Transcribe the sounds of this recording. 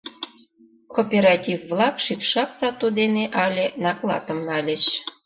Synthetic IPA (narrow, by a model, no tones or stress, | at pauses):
kopʲeɾɑtʲivːlɑkʃikʃɑpsɑt̪od̪eneʔɑlʲenɑklˠɑ̰t̪əmːɑlʲə̆t͡ɕ